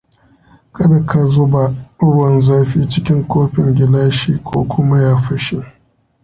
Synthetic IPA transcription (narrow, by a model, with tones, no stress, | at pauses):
kɐ˦da˨kʰa˨zʊ˦ba˨˦ɽʊ˦wɐ˨nzaː˦ɸiː˦t͡ʃɪ˦kʲɪ˦ŋkʷoː˦ɸɪ˨ŋɡʲɪ˨laː˦ʃiː˦kʷoː˦kʷʊ˦ma˦jaː˦ɸɐ˦ʃi˦